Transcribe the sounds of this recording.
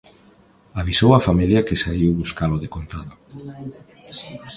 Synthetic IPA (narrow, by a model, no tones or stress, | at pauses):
aβisowafamiljɐkɪsaiwβuskaloðekont̪aðʊ